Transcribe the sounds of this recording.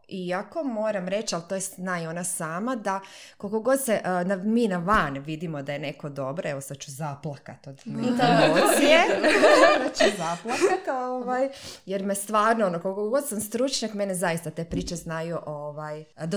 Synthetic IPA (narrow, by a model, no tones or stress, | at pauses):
iako̞mo̞ːɾamɾe̞t͡ʃalˠt̪ojesnaio̞nasaːmad̪ako̞lko̞ɡo̞d̪seʔnamiːnaʋanʋid̪imo̞d̪ajene̞ko̞d̪o̞bɾoeʋosad̪̚t͡ʃu̥zaplˠakat̪od̪it̪aosje | nat͡ʃuzaplˠakat̪oʋajjeɾmest̪ʋaːɾnoonokolkokoɡo̞d̪samst̪ɾut͡ʃɲakmenezajist̪at̪e̞ːpɾiːt͡ʃeznajuʔoʋajd̪a